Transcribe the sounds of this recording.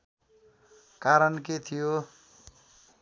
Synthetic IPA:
kaɾʌnket̪ʰijo

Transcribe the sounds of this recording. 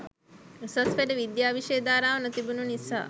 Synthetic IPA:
sɐsfeɖeʋid̪jaːʋiʃejd̪aːɾaːʋɐnɐt̪ibununisa̰

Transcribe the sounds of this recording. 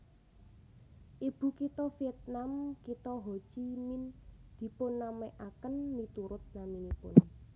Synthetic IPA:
ʔib̥ṳkit̪ɔfiɛt̪̚namkit̪ɔɦot͡ʃimind̪̥i̤pʊnːamɛʔakənmit̪uɾʊt̪̚naminipʊ̰n

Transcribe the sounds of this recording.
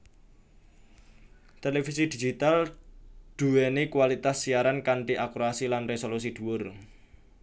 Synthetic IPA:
t̪elefisid̪̥i̤d͡ʒit̪al | d̪̥ṳɛnekuwalit̪asːiaɾankaɳʈiʔakuɾasilanresolus̬id̪̥ṳwʊr

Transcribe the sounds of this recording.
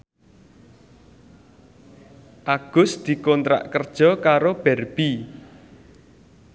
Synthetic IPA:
ʔaɡ̥ʊ̤sd̪̥i̤kɔnt̪ɾa̰ʔkərd̥ʒ̥ɔ̤kaɾob̥ɛrb̥i

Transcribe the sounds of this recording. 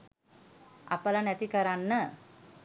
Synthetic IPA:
a̰pəlanɛt̪ikəɾanːə

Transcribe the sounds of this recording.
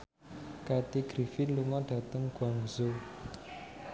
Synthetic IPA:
kat̪iɡ̥ɾifinluŋɔɖ̥a̤t̪əŋɡ̥waŋzo

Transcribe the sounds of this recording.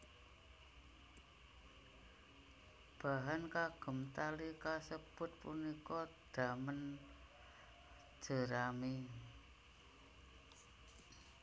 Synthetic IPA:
b̥a̤ɦankaɡ̥ə̤mt̪alikasəb̥ʊ̤t̪̚punikɔd̪̥a̤mən | ʒ̥ə̤ɾame

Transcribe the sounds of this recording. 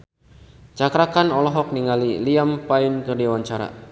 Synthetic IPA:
t͡ʃakɾakanɔlɔɦɔk̚niŋaliliampaɪnkərdiwaɲt͡ʃaɾa̰

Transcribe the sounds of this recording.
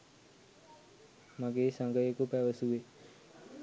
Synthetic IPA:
maɡesãŋɡəekopɛʋəsue

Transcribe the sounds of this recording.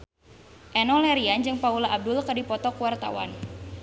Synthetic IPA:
ʔɛnɔlɛɾiand͡ʒɨŋpaulaʔːb̚dʊlkadipɔt̪ɔkuwart̪a̰wa̰n

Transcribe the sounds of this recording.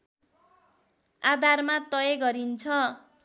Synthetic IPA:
ad̪ʱarmat̪ʌjeɡʌɾint͡sʰʌ

